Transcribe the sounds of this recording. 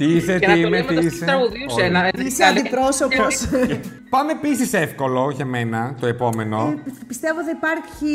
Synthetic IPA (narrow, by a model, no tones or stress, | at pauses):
t̪iiset̪iineiiseɾɐɣuðisenɐiseɐnd̪ipɾosopos | pɐmepisisefko̞lo̞ʝemenɐt̪o̞e̞po̞me̞no̞pist̪e̞vot̪iipɐɾçi